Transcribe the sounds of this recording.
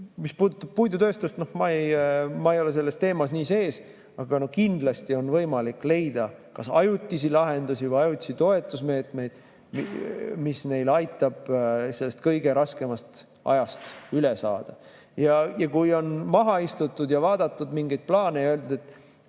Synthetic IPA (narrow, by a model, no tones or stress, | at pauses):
mispuːd̪ut̪ːɑb̥̚pujd̪ut̪øst̪ust̪no̞hmɑejmɑejole̞se̞lːe̞st̪e̞ːmɑsniːse̞ːs | ɑɡ̥ɑno̞hkind̪̥lɑst̪io̞nvɤjmɑlikːˑle̞jd̪̥ɑkɑsɑjut̪ʲːˑisilɑɦe̞nd̪usivɤjɑjut̪ʲːˑi̥sit̪o̞e̞t̪ːˑusme̞ːt̪ˑme̞jd̪̥ | mimisne̞jlɑjt̪ːˑɑb̥se̞lːe̞st̪kɤjɡ̥e̞ɾɑske̞mɑst̪ | ʔɑ̰jɑst̪ylesɑ̰ːd̪̥ɑ | jɑjɑkujo̞nmɑɦɑist̪ut̪ːˑud̪jɑvɑːd̪̥ɑt̪ːˑud̪miŋɡejd̪̥̚plɑːne̞jɑøld̪ud̪et̪ːˑ